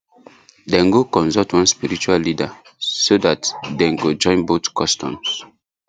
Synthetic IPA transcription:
dɛ̃nɡokɔ̃nsɔtwãnspiɹit͡ʃuallida | sodatdɛ̃nɡod͡ʒɔ̃ɪ̃nbotkɔstʰɔ̰̃ms

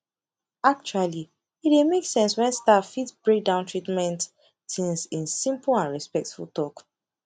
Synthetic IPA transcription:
ak̚t͡ʃuali | it̚emeksɛ̃nswɛ̃nstatfitb̥ɹek̚dãʊ̃ntʰɹitmɛ̃nt | tĩnsĩnsĩmplãnɹɛspɛk̚tfulˠtɔk

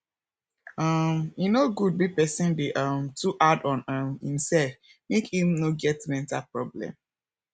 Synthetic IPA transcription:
ʌminoɡud̚bipɛsĩnbeʔʌmtuʔadɔ̃nʌ̃mḭ̃msɛf | mekĩmnoɡɛtmɛ̃ntalpɹɔblɛ̰̃m

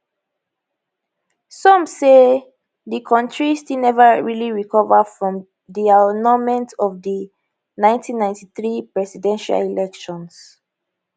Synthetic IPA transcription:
sɔ̃mse | ðikʰɔ̃ntɹistinɛvəɹiliɹikʰɔvəfɹɔ̃m | dianɔmɛ̃ntɔvdə | nãɪ̃ntʰĩnːãɪ̃ntiθɹipɹɛsidɛ̃nʃa̰lilɛkʃɔ̃ns

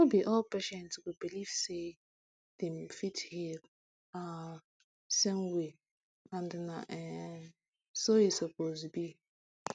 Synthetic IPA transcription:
ɔbiʔɔlpeʃɛ̃ntswubiliv̥se | dɛ̃mfithi | a | sɛ̃nwe | ãndnaʔɛ | sojisɔpozbi

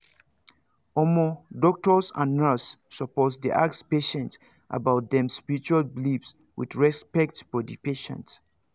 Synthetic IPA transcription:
ɔmɔdɔk̚tɔsã̰nasːɔpɔtdiʔakspeʃɛ̃nt | ʔa̰baʊt̚dɛ̃mspiɹit͡ʃualblifs | wḭdɹɛspɛk̚tfɔdipeʃɛ̰̃nt

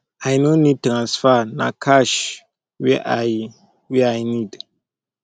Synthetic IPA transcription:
ajnõnĩd̚tɾãnsfanã̰kʰaʃ | wɛʔaj | wiajnĩd

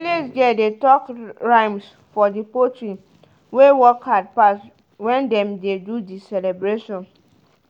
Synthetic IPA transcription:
lesɡɛdetɔkɹãɪms | fɔdipotɹĩn | wewɔkad̚pas | wɛ̃ndɛ̃mdedudisɛlɛbɹeʃɔ̃n

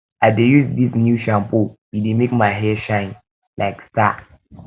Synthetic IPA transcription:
ʔaɪdejuzdisnjuʃãmpobidimikmaɪɦɛʃãɪ̃n | lʔaɪksta

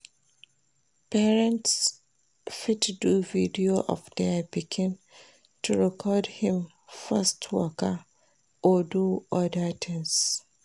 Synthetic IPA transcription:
pɛɹɛ̃nts | fitduvidioʔɔ̰fdɛbikʰɪ̃n | tʰuɹɛkʰɔdhĩm | fɛstʰwɔ̰ka | ɔduɔdatʰɛ̃ns

